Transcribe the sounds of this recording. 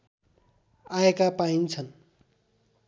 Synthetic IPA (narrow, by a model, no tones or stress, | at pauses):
aekapaint͡sʰʌn